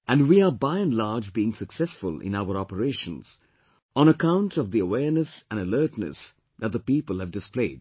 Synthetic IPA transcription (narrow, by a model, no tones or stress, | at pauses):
ʔæ̃ndwiːəbaɪɨ̃nlaɹd͡ʒbiɪ̃ŋsəksɛsfʊ̰lɪ̰̃naʊəɾɔpəɾeɪʃə̃nz̥ | ə̃ñəkʰãʊ̃ntʰʌvðiəwɛːɹnəsæ̃nəlɜːtnə̰s | ðæt̚d̪əpipəlˠɨvdɨspleɪd̚